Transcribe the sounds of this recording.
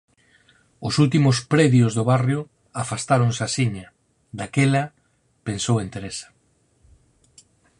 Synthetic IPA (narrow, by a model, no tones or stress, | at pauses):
ʊsult̪̬imʊspɾɛðjozðʊβarjʊ | afast̪aɾoŋsasiɲɐ | d̪akelɐ | pensowent̪eɾesɐ̥